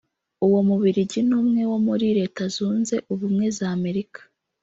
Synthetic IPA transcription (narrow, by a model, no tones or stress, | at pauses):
uwo̞muβiɾiɟinuːmŋe̞wo̞muɾiɾe̞ːtazuːnze̞ʔuβumŋe̞zaːme̞ɾikḁ